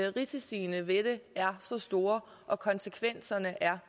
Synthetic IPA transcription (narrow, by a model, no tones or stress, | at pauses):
ʁit͡sʰisiːnəʋed̥əæɐsɒ̽sd̥o̝ːɐ | ʔɒ̽kʰɒ̽nsəkʰʋen̰sɐnəʔæɐ